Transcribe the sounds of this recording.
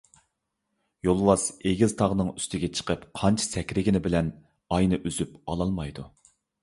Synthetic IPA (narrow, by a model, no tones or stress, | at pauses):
jolˠwɑseɡʲizt̪ʰɑʁnɨŋyst̪ʰɪɡʲɛt͡ʃʰə̥qəpqʰɑnt͡ʃʰɑ̥sɛkʲɾɪɡʲɪnɪbɪlɛn | ɑjnɨʔyzypɑlˠɑlˠmɑjd̪u